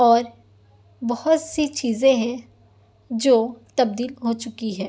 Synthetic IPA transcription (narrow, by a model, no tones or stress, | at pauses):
ɔːɾ | bɐhʊt̪sit͡ʃiːzẽɦɛ̃ | d͡ʒoːt̪ɐb̚d̪iːlɦot͡ʃʊkiɦɛː